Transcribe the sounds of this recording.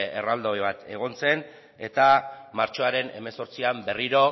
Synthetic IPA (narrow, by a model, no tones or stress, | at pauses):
ḛrald̪ojβat̪e̞ɣ̞o̞nt͡se̞n | e̞̰t̪amaɾt͡ʃo̞aɾe̞ne̞̰me̞so̞ɾt͡siambe̞riɾo̞